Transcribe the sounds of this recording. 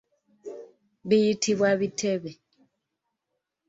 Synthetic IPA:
biitʰiβwaβitʰɛβɛ

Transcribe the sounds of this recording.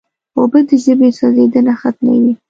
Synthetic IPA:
obəd̪əʒəbesɑzed̪ənaxat̪̚ma̰wi

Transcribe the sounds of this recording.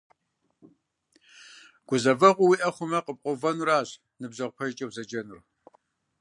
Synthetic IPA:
ɡ̥ʷʊzɐvɐʁʷʊwiʔɐχʷʊmɐqəp̚qʷʼʊvɐnuɾaːɕ | nɨbzɐʁpʷʰɐʒt͡ʃʼɐwzɐd͡ʒɐnur

